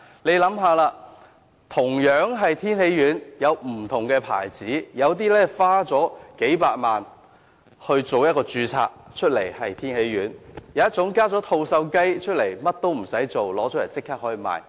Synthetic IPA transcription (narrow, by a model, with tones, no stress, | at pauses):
le˨˧jlɐ˨˥mɦaː˧laː˧ | t̪ʰʊ˨˩ŋjœː˨˥ŋɦɐ˨jt̪ʰiː˥nhe˨˥jɥyː˨˥njɐ˨˧wm̩˨˩t̪ʰʊ˨˩ŋkɛː˧pʰa̰ː˨˩jt͡siː˨˥jɐ˨˧wt̪iː˥lɛː˥faː˥t͡sɔː˨˥ke˨˥jpaː˧t̚maː˨n | hɵ˧ɥt͡so˨wjɐt̚kɔː˧t͡syː˧t͡sʰa̰ː˧k̚t͡ʃʰɵ˥t̚le˨˩jhɐ˨jt̪ʰiː˥nhe˨˥jɥyː˨˥njɐ˨wjɐ˥t̚t͡sʊ˨˥ŋkaː˥t͡sɔː˨˥t̪ʰo˧wsɐ˧wkɐ˥jt͡ʃʰɵ˥t̚le˨˩jmɐ˥t̚t̪o˥wm̩˨˩sɐ˨˥jt͡so˨wlɔː˨˥t͡sɔː˨˥jɐ̰˨˩nt͡sɪ˥kʰːaː˥hɔː˨˥jiː˨˧ma̰ː˨j